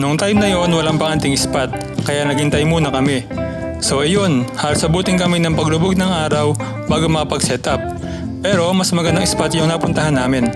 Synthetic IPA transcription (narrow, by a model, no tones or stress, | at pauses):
nʊŋt̪ajmnɐjo̞nwɐlaŋpɐŋʔɐnt̪ɪŋɪspat̪̚ | kɐjaʔnɐɡhɪnt̪ɐjmuːnɐkɐmɪ | so̞ʔɐjo̞nhaːlʊsɐbuːt̪ɪŋkɐmɪnɐŋpɐɡlʊboɡ̚nɐŋʔaːɾɐw | baːɡomɐkɐpɐɡsɛt̪ɐp̚ː | ɛːɾo̞mɐsmɐɡɐnd̪aŋʔɪspat̪jʊŋnaːpʊnt̪ɐhɦanːaːmɪn